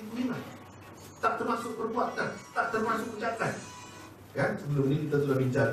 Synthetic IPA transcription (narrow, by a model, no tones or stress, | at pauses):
kumilah | t̪aʔ̚t̪ərmasʊk̚bərbuak̪ant̪aʔ̚t̪ərmasʊk̚put͡ʃak̪an | kansəbəlʊmnikit̪at̪̬ulabiɲt͡ʃa